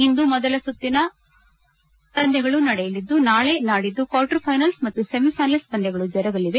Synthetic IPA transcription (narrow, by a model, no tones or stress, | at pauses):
ind̪umɔd̪ɐlɐsut̪ːinɐ | t̪ɐnd̪ʱɛɡɐɭunɐɽɛjɐlid̪ːunaːɭe̞naːɽid̪ːukʋaːʈɐɾpʰɐjnɐlsmɐt̪ːusemipʰɐjnɐlst̪ɐnd̪ɛɡɐɭud͡ʒɐɾɐɡɐliʋe